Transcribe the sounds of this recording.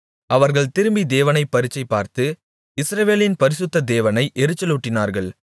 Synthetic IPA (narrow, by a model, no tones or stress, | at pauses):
ɐʋɐɾɣɐɭt̪ɪɾɯmbid̪eːʋɐnɐɪpːɐɾɪt͡ʃːɐɪpːaːɾt̪ɯ | ɪsɾɐʋeːlɪnpɐɾɪsɯt̪ːɐd̪eːʋɐnɐɪʔɛɾɯt͡ʃːɐluːʈːɪnaːɾɣɐɭ